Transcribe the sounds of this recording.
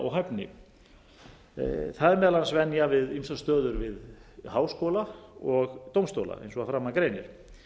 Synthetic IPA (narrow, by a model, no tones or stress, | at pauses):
ʔɔ̰ɣɦɛpnɪ̰ | θaðɛɾmɛːðalansvɛnjavɪðimsast̪œːðʏɾvɪðhaːwskowlaɔɣt̪owmst̪o̰wla̰ʔḛjnsɔɣafɾaːmːakɾejnɪɾ̥